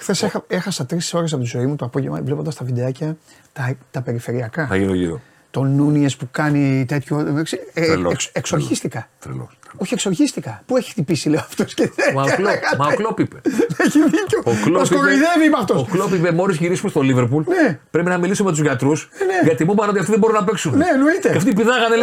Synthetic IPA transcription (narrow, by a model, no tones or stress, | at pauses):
xθesexɐe̞xɐsɐt̪ɾisso̞ɾes̬ɐpot̪izo̞imut̪oɐpo̞ʝevmɐ̰vle̞pod̪ɐst̪ɐvid̪eɐcɐ | t̪ɐt̪ɐpe̞ɾife̞ɾiɐkɐθɐ̰ʝint̪oʝḭɾo̰ | t̪o̞nuniespukɐnit̪e̞t̪çoeksikseksoɾʝist̪ikɐθḛlo̰oçieksoɾçist̪ikɐpueçi̥t̪ipisileoɐft̪osceeɐekɐmɐoklopipemeçiðicooklosoɾoiðeviimɐft̪ossoklopipemo̞ɾizʝiɾisumest̪oliveɾpulnepɾepinɐmilisummet̪uzʝɐt̪ɾusneʝɐt̪imupɐno̞t̪iɐft̪iðebo̞ɾunɐpeksunne̞noit̪e̞ɐft̪ipiðɐɣɐnel